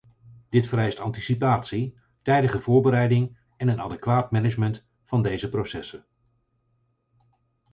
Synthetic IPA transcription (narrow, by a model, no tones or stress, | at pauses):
d̥ɪtfəɾɛjstɑntisipaːtsi | tɛjdəχəvʊːɹbəɾɛjdɪŋ | ɛnənɑ̰dɛkʋaːtmɛnəd͡ʒmənt | fɑndejzəprowsɛsən